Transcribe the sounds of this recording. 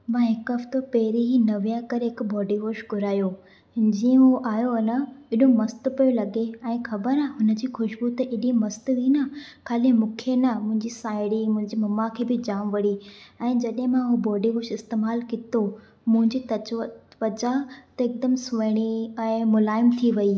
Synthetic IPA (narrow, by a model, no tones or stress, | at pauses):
mãɦɪkɐft̪opɐɦɪɾiɦinɐʋijãkɐɾɦɪkbɔːɖiɦoːʃɡʱʊɾaːjoː | d͡ʑiːə̃ɦuʔaːjoɐnəɪɗomɐst̪pijolɐɡeɛ̃ːxɐbəɾaɦʊnə̆d͡ʑiːxʊʃbut̪eʔɪɗĩmɐst̪ʋiːnakʰaːlɪmʊ̃kʰenəmʊ̃ɦɪ̃ɲd͡ʑisaːɪɽimʊ̃ɦɪ̃ɲd͡ʑimɐmakʰeːbɪd͡ʑaːʋ̃ʋɐɽiɛ̃ːd͡ʑɐɗɦɪ̃mãɦubɔːɖiɦoːʃɪst̪eːmaːlkɪt̪o | mʊ̃ɦɪ̃ɲd͡ʑiːt̪ɐt͡ɕʋət̪ʋɐd͡ʑat̪ɐɪk̚d̪əmsʊʋɐɽ̃iɛ̃ːmʊlaːɪmt̪ʰiʋɐi